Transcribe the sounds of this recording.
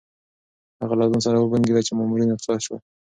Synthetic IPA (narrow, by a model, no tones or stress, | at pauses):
haɣalɑzunsaɾawəbaŋɡed̪at͡ʃemɑmuɾinɪqsɑdʃwa